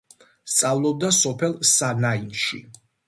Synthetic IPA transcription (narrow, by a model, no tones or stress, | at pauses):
st̪sʼavlˠɔb̚d̪asɔpʰɛlˠsanainʃḭ